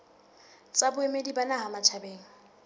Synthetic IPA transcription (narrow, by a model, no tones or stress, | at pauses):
t͡sʼabʊɛmedibanaɦamat͡ʃʰabeːŋ̩